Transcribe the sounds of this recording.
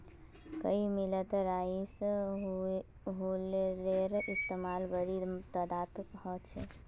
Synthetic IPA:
kəimilət̪ɾais | ɦuleɾeɾist̪emalbəɽit̪əd̪at̪hət͡ʃʰḛ

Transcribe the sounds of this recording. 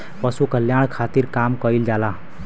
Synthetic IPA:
pəsukəljaɽ̃kʰat̪iɾkamkəild͡ʒala

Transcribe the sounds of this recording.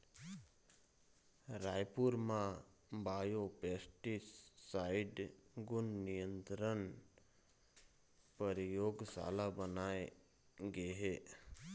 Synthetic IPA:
ɾaːjpuɾmãbaːjopeːsʈissaːɪɖɡʊnːijə̃nt̪ɾən | pəɾjoːɡsa̰ːlabənaːe | ɡeɦeː

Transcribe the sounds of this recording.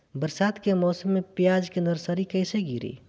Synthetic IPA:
bəɾsaːd̪kemɔːsəmːepijad͡ʒkĩnd̪əɾsəɾikəɪseɡiːɾḭ

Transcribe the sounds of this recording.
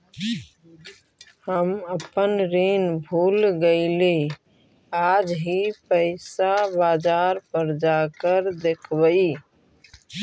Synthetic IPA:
həməpənɾenbʱulɡəɪle | ad͡ʒɦipəɪsabad͡ʒaɾpəɾd͡ʒakəɾd̪ekʰbəi

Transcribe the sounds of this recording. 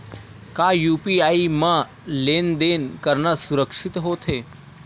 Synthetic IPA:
kaːjuːpiaːimã | leːnd̪eːnkəɾnəsuɾəkʂit̪ɦoːt̪ʰɦe

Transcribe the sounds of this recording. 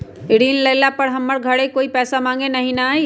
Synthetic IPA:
ɪɽinləɪlapəɾɦəmːəɾɡʱəɽekoːipɛːsamãːŋɡenɐɦĩnaa

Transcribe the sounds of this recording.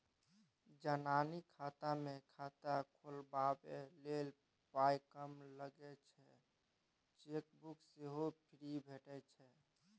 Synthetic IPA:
d͡ʒananikʰat̪amekʰat̪akʰolbabelel | pajkəmləɡɛt͡ʃʰɛ | t͡ʃekbukseɦopʰiɾibʱeʈɛt͡ʃʰɛ

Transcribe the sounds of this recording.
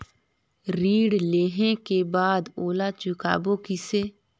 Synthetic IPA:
ɾiːɽleːɦẽkebaːd̪oːlat͡ʃʊka̰ːboːkɪseː

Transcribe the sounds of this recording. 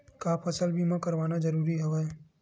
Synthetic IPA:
kapʰɐsəlbʱimɐ̃kɐɾʋaːnazɐɾuːɾiɦɛʋɦɛː

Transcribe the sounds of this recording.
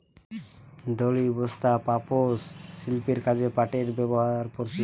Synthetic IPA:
d̪olibɔst̪apaposːilpeɾkad͡ʑepaʈeɾbɛboɦaɾɾpɔɾt͡ɕi

